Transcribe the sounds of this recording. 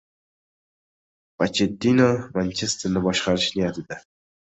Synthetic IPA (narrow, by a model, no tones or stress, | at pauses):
vat͡ʃʰed̪ːinomant͡ʃʰest̪ʰɪnɪbɒʃqɑɾɪʃnijat̪ɪd̪ɪ